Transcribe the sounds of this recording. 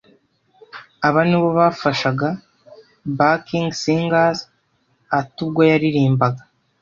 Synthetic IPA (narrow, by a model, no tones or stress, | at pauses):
aβaniβo̞βaːfaʃaɡa | bakiŋɡsiŋɡaz | atubɡojaɾiɾiːmbaɡa